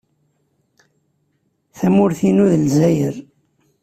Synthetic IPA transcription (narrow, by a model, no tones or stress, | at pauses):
θæmʊɾθinuðəlzæjəɾ